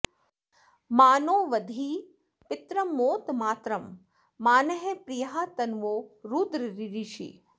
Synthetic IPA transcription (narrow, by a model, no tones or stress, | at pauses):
maːnoːʋɐd̪ʱi | pɪt̪ɾɐmːoːt̪maːt̪ɾɐmː | aːnɐɦepɾijɦaːt̪ɐnʋoːɾuːd̪ɾəɾiɾiʃḭː